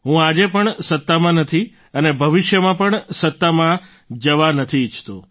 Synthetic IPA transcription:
ɦũad͡ʒepəɳsət̪ːamãnət̪ʰi | ənebʱəʋɪʃjəmãpəɳsət̪ːamã | d͡ʒəʋanət̪ʰiːt͡ʃʰt̪u

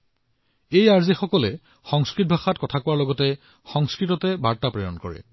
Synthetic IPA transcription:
ejaɹzixɔkɔlɛ | xɔŋskɹit̚bʱaxatkɔtʰakʊwaɹlɔɡɔtɛ | xɔŋskɹitɔtɛbaɹtapɹejɔ̰nkɔ̰ɹɛ̰

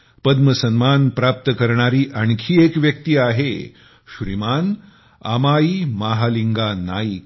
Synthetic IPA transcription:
pəd̪məsənmanpɾap̚t̪əkəɾɳaɾiːʔaɳkʰiːekʋjək̚t̪iːaɦḛ | ɕɾḭman | a̰maiːmaɦaliŋɡana̰ik

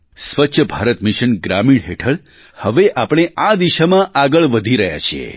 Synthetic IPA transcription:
sʋətːʃʰəbʱaɾət̪miʃənɡɾamiɽɦeʈʰəɭ | həʋeʔapɽ̃eʔad̪iʃamãʔaɡəɭʋəd̪ʱiɾəɦja̰t͡ʃʰiḛ

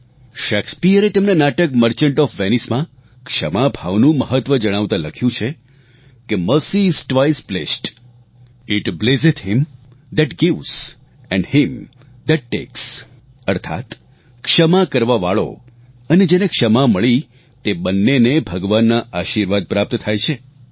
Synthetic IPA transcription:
ʃɛkspijəɾet̪emnanaʈək̚məɾt͡ʃəɳʈɔfʋenismã | kʃəmabʱaʋnũməɦət̪ʋəd͡ʒəɽ̃aʋt̪ãləkʰjũt͡ʃʰe | keməsisʈʋaisplesʈ | ɪʈblesɪt̪ɦɪm | d̪ɛʈɡɪʋz̥ | ɛ̃ɳɖhɪm | d̪ɛʈ̚ːḛks | əɾt̪ʰa̰t̪ | kʃəmakəɾʋaʋaɭo̰ | əned͡ʒenekʃəmaməɭi | t̪ebənːenebʱəɡʋanːaʔaʃiɾʋad̪̚pɾap̚t̪t̪ʰajt͡ʃʰe

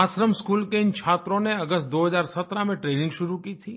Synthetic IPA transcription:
aːsɾəmskuːlkeɪnt͡ʃʰaːt̪ɾõneɐɡəst̪̚d̪oːɦəzaːɾsɐt̪ɾamẽʈɾeːnɪ̃ŋɡʃʊɾukiːt̪ʰiː

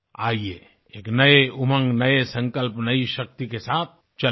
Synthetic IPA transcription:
aːieː | eːknɐeʊmə̃ŋɡnɐesɐ̃ŋkəlpnɐiʃɐk̚t̪ikesaːt̪̚ʰ | t͡ʃɐ

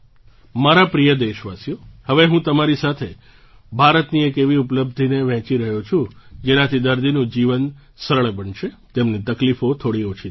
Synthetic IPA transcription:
maɾapɾijəd̪eʃʋasjohəʋeɦũt̪əmaɾisat̪ʰe | bʱaɾət̪niekeʋiupləb̚d̪ʱineʋɛ̃t͡ʃiɾəɦjot͡ʃʰũd͡ʒenãt̪ʰid̪əɾd̪inũd͡ʒiʋən | səɾəɭbəɳʃet̪emnit̪əklifot̪ʰoɽiot͡ʃʰi

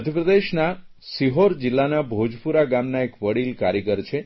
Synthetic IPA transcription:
əd̪ʱjəpɾəd̪eʃna | siɦoɾd͡ʒɪlːanabʱod͡ʒpuɾaɡamnaekʋəɽilkaɾjəɡəɾt͡ʃʰe

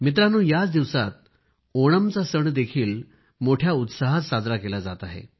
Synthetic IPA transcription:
mit̪̬ɾanũːjat͡sd̪iʋsat̪̚ | oɽ̃əmt͡sasəɳd̪ekʰiːl | moʈʰjaut̪saɦat̪sad͡zɾakelad͡zat̪aɦḛ

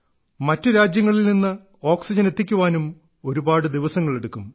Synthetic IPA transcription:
mɐtːɨɾaːd͡ʑjɐŋːɐɭilninːɨ | o̞ːksid͡ʑɐne̞t̪ːikʲːuʋaːnum | o̞ɾubaːɽɨd̪iʋɐsɐŋːɐɭe̞ɽukːum

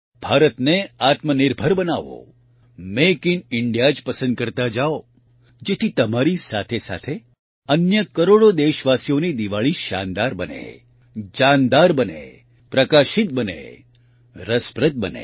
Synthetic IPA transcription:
b̥ʱaɾət̪neat̪mənɪɾbʱəɾbənaʋo̰ | mekinɪɳɖijad͡ʒpəsə̃nd̪̚kəɾt̪ad͡ʒao | d͡ʒet̪ʰit̪əmaɾisat̪ʰesa̰t̪ʰe | ənjəkəɾoɽod̪eʃʋasijonid̪iʋaɭiʃa̰nd̪aɾbənḛ | d͡ʒand̪aɾbənḛ | pɾəkaʃɪt̪̚bənḛ | ɾəspɾət̪̚bə̰nḛ

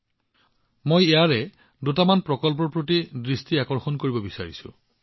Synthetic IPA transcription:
mojejaɹɛ | dutamanpɹɔkɔlpɔɹpɹotidɹistiakɔɹxɔnkoɹibɔbisa̰ɹḭsʊ̰̃

